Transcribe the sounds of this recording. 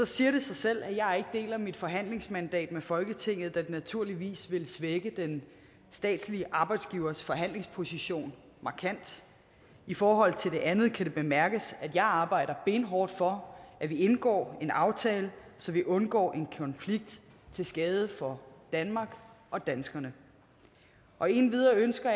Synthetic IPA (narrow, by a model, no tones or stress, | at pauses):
sɒ̽siːɐɾe̝sɑ̈ɪsel̰æjɑ̈ɪæɐe̝ɡ̥əd̥e̝̰ːlæmid̥fɒ̽ɦæn̰le̝ŋsmænd̥ɛ̰ːd̥̚mefɒ̽lɡ̥ət͡sʰe̝ŋ̰ð̞̩ˠd̥æ̥enæt͡sʰuɐ̰liʋḭːsʋe̝lsʋeɡ̥əd̥en | sd̥ɛ̰ːd̥sliəʔɑ̈ːb̥ɑ̈ɪd̥sɡ̥iʊɐsfɒ̽ɦæn̰le̝ŋspʰo̝siɕo̝̰ːn | mɑ̈kʰæn̰d̥ | ifɒːɦɒ̽l̰t͡sʰe̝ld̥e̝ʔænð̞̩ˠkʰæɾ̥e̝b̥e̝mæɐɡ̥əsæd̥jɑ̈ɪɑ̈ːb̥ɑ̈ɪ̰ɾ̥ɐb̥e̝nɦɒːd̥fɒ̽ʔæʋie̝nɡ̥ɒ̰ːe̝nɑ̈ʊt͡sʰɛːləsɒ̽ʋiʔɔ̽nɡ̥ɒ̰ːʔe̝nkʰɒ̽nfliɡ̥̚d̥ | t͡sʰe̝lsɡ̥ɛːð̞ˠəfɒ̽d̥ænmɑ̈ːɡ̥ʔɒ̽d̥ænsɡ̥ɐnə | ʔɒ̽e̝nʋiðˠɐønsɡ̥ɐ